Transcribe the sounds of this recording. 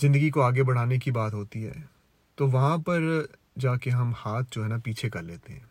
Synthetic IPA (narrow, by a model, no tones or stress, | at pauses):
zɪ̃nd̪əɡikoaːɡebɐɽ̤aːnekibaːt̪ɦoːt̪iɦɛ̰ː | t̪oːʋɐɦãpɐɾ | d͡ʒaːkeɦɐmhaːt̪̚ʰd͡ʒoːɦɛːnapiːt͡ʃʰekɐɾleːt̪eɦɛ̃ː